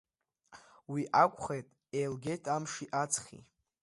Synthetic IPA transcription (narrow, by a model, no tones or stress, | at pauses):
wiʔakʷʰʼχejtʼ | ejlɡʲe̞jtʰamʂiʔat͡sʰχʲḭ